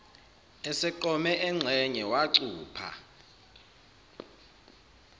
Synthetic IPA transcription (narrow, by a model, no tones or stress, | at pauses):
ɛsɛǃɔmɛʔɛŋ͡ǀʱɛɲɛwaǀuːpʰa̰